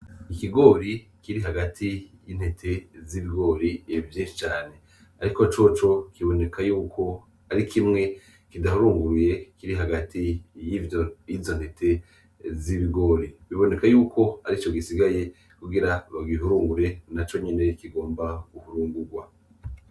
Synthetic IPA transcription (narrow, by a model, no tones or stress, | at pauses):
ikiɡo̞ːɾi | kiɾiɦaɡatʰijin̥he̞tʰe̞ziβiɡo̞ːɾieivjeːʃi̥t͡ʃaːne̞ | aɾiko̞t͡ʃo̞t͡ʃo̞kiβo̞ne̞kʰajuːko̞ | aɾikʰimŋe̞ | kidahuɾuːŋɡuɾuje̞kiɾiɦaɡatijivjojivzo̞n̥he̞tʰe̞ | ziβiɡo̞ːɾiβiβo̞ne̞kajuːkʰo̞haɾit͡ʃo̞ɡisiɡaje̞ | kuɡiɾaβaɡiɦuɾuːŋɡuɾe̞nat͡ʃo̞ɲe̞ne̞kiɡo̞ːmbaɡ̥uhuɾuːŋɡuɾɡwa